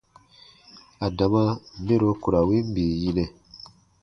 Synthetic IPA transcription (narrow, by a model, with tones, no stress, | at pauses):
a˨da˨mã˦be˦ɾo˧ku˨ɾa˨wi˦m˦bi˨ji˦nɛ˨